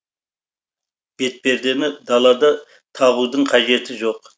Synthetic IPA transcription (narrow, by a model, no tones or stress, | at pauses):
b̥e̞t̪̚pe̞ɾd̪e̞mɪd̪ɑlˠɑd̪ɑ | t̪ʰɑβud̪əɴqʰɑʒe̞t̪ɪʒo̞q